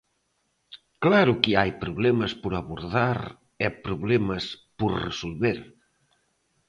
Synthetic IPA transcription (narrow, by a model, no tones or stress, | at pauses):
klaɾukiajpɾuβlɛməspuɾaβuɾðaɾ | ɛpɾuβlɛməspuɾrəsulˠβeɾ